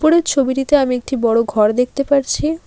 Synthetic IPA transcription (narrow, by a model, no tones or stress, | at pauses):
poɾeɾt͡ɕʰobiʈit̪eamiek̚ʈibɔɽoɡʱɔɾd̪ek̚ʰt̪epaɾt͡ɕʰi